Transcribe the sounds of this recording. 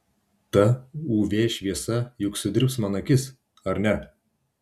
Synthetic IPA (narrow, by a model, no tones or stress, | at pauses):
t̪ɐuːʋʲeːʃʲʋʲiɛsɐjʊksʲʊd̪ʲɪɾpsmɐnɐkʲɪs | ɐɾnʲɛ